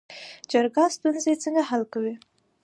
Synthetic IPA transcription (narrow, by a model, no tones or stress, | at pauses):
d͡ʒaɾɡɑst̪unzet͡səŋɡaɦalkawi